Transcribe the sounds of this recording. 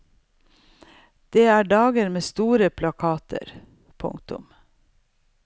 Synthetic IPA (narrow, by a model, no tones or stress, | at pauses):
d̪̥eːæːɖɑːɡəɾmeːst̪uːɾəpʰlɑkʰɑːt̪ʰə̰ɾ | pʰʊ̰ŋt̪ʊ̰m